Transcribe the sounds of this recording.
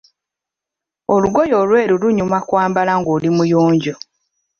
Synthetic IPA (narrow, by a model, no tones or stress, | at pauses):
oluɡo̞jo̞ːlwe̞ːɾuluɲumakwaːmbalaŋɡoːlimujoːɲɟo